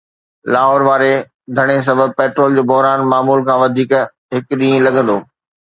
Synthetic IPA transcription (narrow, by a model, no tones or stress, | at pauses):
laːɦɔːɾʋaːɾe | d̪ʱɐɽ̃es̬ɐbʱəb̚peːʈɾoːld͡ʑoːbɔɦɾaːnmaːmuːlkʰãːʋɐd̪ʱiːk | ɦɪkɗĩːẽlɐɠə̃nd̪oː